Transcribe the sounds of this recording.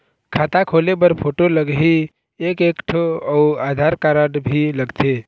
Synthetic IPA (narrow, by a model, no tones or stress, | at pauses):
kʰat̪akʰolebəɾpʰoʈoləɡɦi | ekekʈʰɔuad̪ʱaɾkaɾəɖbʱiləɡt̪ʰe